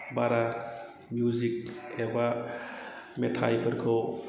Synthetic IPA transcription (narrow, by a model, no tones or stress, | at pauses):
baɾa | mjuzik̚eba | metʰa̰jpʰəɾkʰɯw